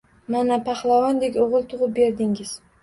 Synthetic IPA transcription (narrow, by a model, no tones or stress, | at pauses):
manapʰaχlˠavɒnd̪ekʲoʁɨlˠt̪ʰʊʁɨp̚be̞ɾd̪ɪŋɪz̥